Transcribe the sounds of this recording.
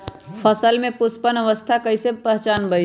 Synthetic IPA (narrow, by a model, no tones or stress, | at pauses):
pʰəsəlmẽpʊspənəʋəst̪ʰakəisepəɦt͡ʃaːnbəi